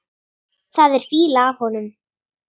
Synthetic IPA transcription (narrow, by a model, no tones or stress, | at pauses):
θaðɛɾ̥fiːlaːv̥hɔnʏm